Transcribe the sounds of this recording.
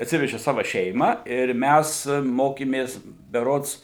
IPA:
ɐtʲˈsʲɪʋʲɛʒʲɪ ˈsɑːʋɐ ˈʃʲɛɪmɑː ɪr ˈmʲæs ˈmoːkʲeːmʲeːs bʲɛˈroːts

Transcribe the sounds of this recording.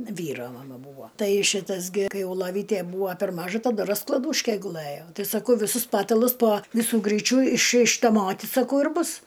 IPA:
ˈʋʲiːroː mɐˈmɐ ˈbuːʋoː ˈtɐɪ ˈʃʲɪtɐs ɡʲɪ ˈkɐɪ ˈjɛʊ lˠoːˈʋʲiːtʲeː ˈbuːoː pʲɛr ˈmɑːʒʊ tɐˈdʊ rɐsklˠɐˈduːʃʲkʲɛ ɡʊˈlˠɘjoː ˈtɐɪ sɐˈkɐʊ ʋʲɪˈsʊs ˈpɑːtɐlˠʊs poː ˈʋʲɪsʊ ˈɡrʲiːt͡ʃʲʊ ɪʃ ɪʃtɐˈmoːtʲɪ sɐˈkɐʊ ɪr ˈbʊs

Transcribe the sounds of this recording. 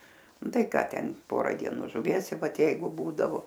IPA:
ˈnʊ ˈtɐɪ ˈkɑː ˈtʲɛn ˈpoːrɐ dʲiɛˈnuː ʒʊˈʋʲiɛs ɪ ˈʋɐt ˈjɛɪɡʊ ˈbuːdɐʋoː

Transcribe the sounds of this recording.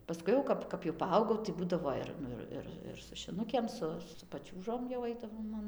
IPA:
pɐˈskʊɪ jɛʊ ˈkɐp kɐp jɛʊ pɐˈɐʊɡɐʊ tɐɪ ˈbuːdɐʋoː ɪr ˈnʊ ɪr ˈɪr ɪr sʊ ʃʲɪˈnʊkʲeːm ˈsʊ sʊ pɐˈt͡ʃʲuːʒoːm jɛʊ ˈɐɪdɐʋoːm ɐn

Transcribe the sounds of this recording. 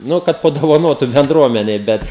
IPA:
ˈnʊ kɐt pɐdoːʋɐˈnoːtʊ bʲɛndˈruɔmʲɛnʲɛɪ ˈbʲɛt

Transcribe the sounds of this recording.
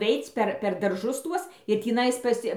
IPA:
ˈʋʲɛɪt͡s pʲɛr pʲɛr dɐrˈʒʊs ˈtuɔs ɪr tʲiːˈnɐɪs ˈpɐs

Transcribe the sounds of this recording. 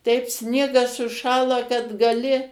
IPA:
tʲɛɪp ˈsʲnʲiɛɡɐs sʊˈʃɑːlˠɐ kɐt ɡɐˈlʲɪ

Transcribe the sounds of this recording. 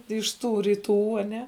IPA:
ɪʃ ˈtuː rʲiːˈtuː ɐˈnʲɛ

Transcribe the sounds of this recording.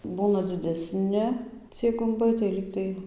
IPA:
ˈbuːnɐ d͡zʲɪdʲɛˈsʲnʲɪ ˈt͡sʲiɛj ɡʊmˈbɐɪ tɐɪ ˈlʲiːktɐɪ

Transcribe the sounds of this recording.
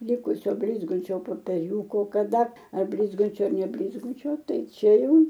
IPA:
ˈlʲɪkʊsʲoː ˈbʲlʲɪzɡɐnʲt͡ʃʲoː poːpʲɛˈrʲuːkoː kɐˈdɐ ɐr ˈbʲlʲɪzɡɐnʲt͡ʃʲoː ɐr nʲɛbʲlʲɪzˈɡʊt͡ʃʲoː ˈtɐɪ ˈt͡ʃʲɛ ˈjɛʊ

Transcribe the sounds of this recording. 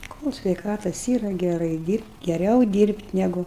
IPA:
koːlʲ sʲʋʲɛɪˈkɑːtɐs ˈiːrɐ ɡʲɛˈrɐɪ ˈdʲiːrʲpʲtʲ ɡʲɛˈrʲɛʊ ˈdʲiːrʲpʲtʲ nʲɛˈɡʊ

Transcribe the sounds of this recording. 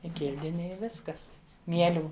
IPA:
ɪ ˈkʲɪlʲdʲɪnʲɪ ɪ ˈʋʲɪskɐs ˈmʲiɛlʲuː

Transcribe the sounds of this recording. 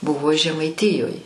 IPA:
ˈbʊʋoː ʒʲɛmɐɪˈtʲiːjoːj

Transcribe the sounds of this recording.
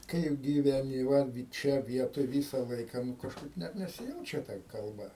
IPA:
ˈkɐɪp ɡʲiːʋʲɛˈnʲɪ ˈʋɐ ˈt͡ʃʲɛ ˈʋʲiɛtoːj ˈʋʲiːsɐ ˈlˠɐɪkɑː nʊ kɐʃˈkɐɪp ˈnʲɛt nʲɛsʲɪˈjɛʊt͡ʃʲɛ tɐ kɐlˠˈbɐ

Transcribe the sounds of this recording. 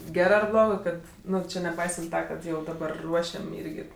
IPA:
ˈɡʲæːrɜ ɐr ˈblˠoːɡɜ ˈkɐt ˈnʊ ˈt͡ʃʲɪ nʲɛˈpɐɪsɐnt ˈtɐ ˈkɐt ˈjɛʊ dɐˈbɐr ˈruɔʃʲɛm ˈiːrʲɡʲɪ

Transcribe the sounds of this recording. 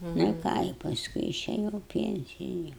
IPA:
nʊ ɪ ˈkɑː ɪ pɐsˈkʊɪ ɪʃʲɛˈjɛʊ ɪ ˈpʲiɛnʲt͡sʲɪjʊ

